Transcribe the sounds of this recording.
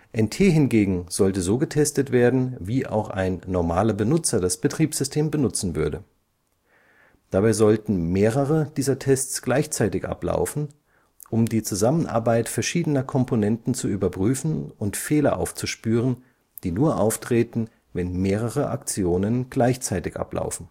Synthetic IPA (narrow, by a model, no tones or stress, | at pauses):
ʔɛntʰeːɦɪnɡeːɡŋ̩z̥ɔltəzoːɡətʰɛstətv̥eːɐdn̩viːʔa̰ʊxʔa̰ɪnːɔɐmaːlɐbənʊt͡sɐdasb̥ətʁ̥iːpz̥ʏstʰeːmbənʊt͡sn̩vʏɐdə | d̥abaɪzɔltn̩meːʁəʁəd̥iːzɐtʰɛst͡sɡ̥laɪçt͡saɪtɪçʔa̰pla̰ʊfn̩ | ʔʊmdiːt͡suzamənʔa̰ɐbaɪtfɛɐʃiːdənɐkʰɔmpʰonɛntn̩t͡suyːbɐpʁ̥yːfn̩ʊntfeːlɐ̰ʔa̰ʊft͡suʃpyːʁ̞ən | d̥iːnuːɐʔaʊftʁ̥eːtn̩ | vɛnmeːʁ̞əʁəʔa̰kt͡sjoːnənɡ̥laɪçt͡saɪtɪçʔa̰pla̰ʊfn̩